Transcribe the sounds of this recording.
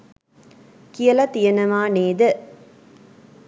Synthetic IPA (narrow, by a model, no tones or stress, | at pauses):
kijɐlɐt̪ijɐnɐmaːneːd̪ɨ